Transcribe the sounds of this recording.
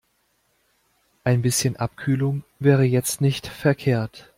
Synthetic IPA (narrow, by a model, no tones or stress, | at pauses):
ʔaɪnbɪsçənʔapkʰyːlʊŋvɛːʁ̞əjɛt͡stnɪçtfɛɐkʰeːɐt